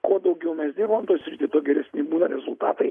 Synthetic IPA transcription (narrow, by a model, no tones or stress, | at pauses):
koːd̪ɐʊɡʲɛʊmʲɛsd̪ʲiɾbomt̪oːjsʲɾʲɪt̪ʲɪt̪oːɡʲɛɾʲɛsʲnʲɪbuːnɐɾʲɛzʊlˠt̪ɑ̰ːt̪ɐɪ